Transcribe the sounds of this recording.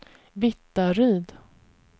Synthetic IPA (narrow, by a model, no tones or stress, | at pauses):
vɪt̪ːaɾyːd̪